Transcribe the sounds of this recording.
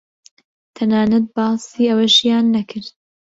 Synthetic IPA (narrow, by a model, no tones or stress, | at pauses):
t̪ʰɐnaːnɐt̪̚bɑːsiːʔɐwɐʃjaːnːɐkʰɨɾd̪̚